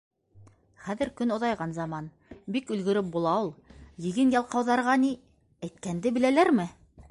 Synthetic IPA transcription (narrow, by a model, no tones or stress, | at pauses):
χæðɘ̆ɾkɵnŏðɑjʁɑnzɑmɑn | bikɵ̆lɡɵ̆ɾɘp̚bulˠɑulˠjɘ̆ɡɘnjɑlˠqɑwðɑɾʁɑni | æjt̪̚kænd̪ɘbɘ̆lælæɾmɘ